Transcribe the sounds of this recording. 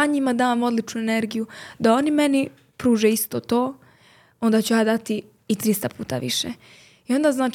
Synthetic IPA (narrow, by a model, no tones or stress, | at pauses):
aɲimad̪aːmo̞d̪lit͡ʃnuene̞ɾɡijud̪ao̞nime̞ni | pɾuːʒeist̪o̞ːt̪o̞ː | o̞nd̪at͡ɕujaːd̪at̪iː | t̪ɾist̪apuːt̪a̰ʋḭʃḛ | io̞nd̪aznaːt͡ʃ